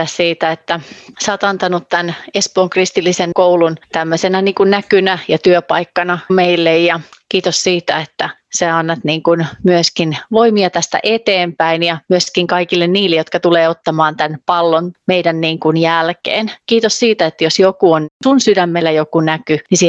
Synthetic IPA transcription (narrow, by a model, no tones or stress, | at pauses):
æssiːt̪æet̪ːæsɑːt̪ɑnt̪ɑnut̪t̪ænespoːŋkrist̪ilːisenkoulunt̪æmːøsenæniːŋkunnækynæjɑt̪yøpɑikːɑnɑmeilːejjɑkiːt̪ossiːt̪æet̪ːæseɑnːɑt̪niːŋkunmyøskinʋoimiɑt̪æst̪æ̰ʔet̪eːmpæinjɑmyøskiŋkɑikilːenniːlːejo̞t̪̚kɑt̪uleːot̪ːɑmɑːnt̪ænpɑlːonmeidænniːŋkunjælkḛːnkiːt̪ossiːt̪æet̪ːjosjokuonsunsydæmːelːæjokunækynisi